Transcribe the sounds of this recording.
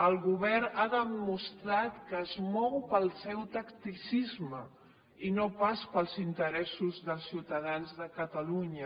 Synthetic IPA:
əlˠɣuβɛraðəmust̪ɾat̪kəːzmɔwpəlˠsɛwt̪əkt̪isizmə | inopaspəlˠzint̪əɾɛsuzðəlˠsiwt̪əð̞anzðəkət̪əluɲə

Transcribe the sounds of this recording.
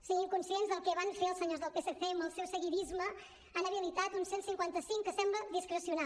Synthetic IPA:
siɣimkunsienzðəlˠkɛβanfeəlˠsəɲozðəlˠpesəθeməlˠsɛwsəɣiɾizmə | anəβiəlit̪at̪unsensiŋkwant̪əsiŋkəsɛmbləðiskɾəsiuna

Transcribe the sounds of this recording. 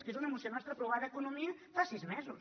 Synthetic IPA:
skezunəmusionɔst̪ɾəpɾuɣaðəekunumiəfasizmɛzus

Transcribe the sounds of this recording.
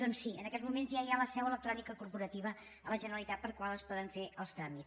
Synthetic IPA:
d̪̥ɔnsːiənəkɛzmumenzjaijaləsɛwələk̪ɾɔnikəkuɾpuɾət̪iβ̞ə | ələʒənəɾəlˠit̪at̪̚pəɾkwalˠəspɔðəɱfeʔəlˠst̪ɾamit

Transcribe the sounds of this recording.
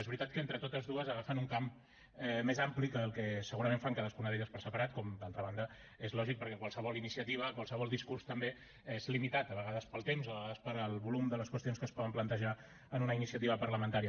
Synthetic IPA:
ezβɾit̪at̪̚kəent̪ɾət̪ot̪əzðuəzəɣafənuŋkam | ɛmezamplikəːlˠkɛsəɣuɾəmeɱfaŋkaðəskunəɾit̪əspəɾsəpəɾat̪̚kɔmd̪alˠt̪ɾəβ̞and̪ə | ezlɔʒik̚pəɾkɛkwalˠsəβɔlinisiət̪iβ̞əkwalsəβɔlˠd̪iskuɾst̪əmbe | ezlimit̪at̪əβəɣað̞əspəlˠt̪emzoəβəɣaðəspəɾəlˠβulumd̪ələskwəst̪ionskəspɔðəmplənt̪əʒa | ənunəinisiət̪iβ̞əpərləmə̃nt̪aɾiə

